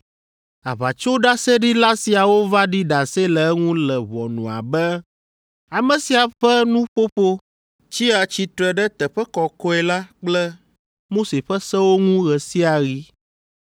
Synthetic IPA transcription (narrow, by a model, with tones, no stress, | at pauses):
a̰˨βa˨t͡ʃo˦ɖa˦sɛ˦ɖi˦la˦si˨a˨wo˦va˦ɖi˦ɖa˨se˦lɛ˨ɛ˦ŋũ˦lɛ˨βɔ̰˨nũ˨a̰˨bɛ˦ | a˨mɛ̃˨si˨a˨ɸɛ˦nũ˦ɸo˦ɸo˦ | t͡ʃi˦a˨t͡ɕi˨t̪ɾɛ˨ɖɛ˦t̪ɛ˨ɸɛ˦kɔ˨kɔ˦ɛ˨la˦k͡plɛ˦ | mo˦se˨ɸɛ˦sɛ˦wo˦ŋũ˦ɣɛ˨si˦a˨ɣi˦